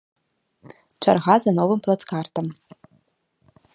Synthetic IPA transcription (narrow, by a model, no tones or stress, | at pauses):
ʈ͡ʂʷʰa̰rʁazanovɨmpʰlˠat͡skʰart̪ʰam